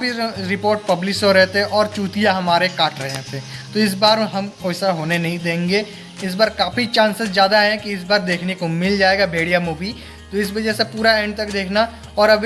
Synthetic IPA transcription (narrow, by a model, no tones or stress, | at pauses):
piɾɪpoːɾʈ̚pɐblɪʃoɾɛɦt̪eɦɛ̃ʔɔːɾt͡ʃuːt̪ijaɦɐmaːɾekaːʈʰɾɐɦḛt̪ʰet̪oɪs̬baːɾɦɐmkoːsaɦoːnenɐɦĩd̪ẽːŋɡe | ɪs̬baːɾkaːfit͡ʃãːnsəszjaːd̪aɦɛ̃kiɪsbaːɾd̪eːkʰnekomɪld͡ʒaːeːɡabʱeːɽijamuːbi | t̪oɪs̬ʋɐd͡ʒɛsepuːɾaɛ̃ːɳɖt̪ɐkd̪eːkʰna | ɔːɾɐbʱ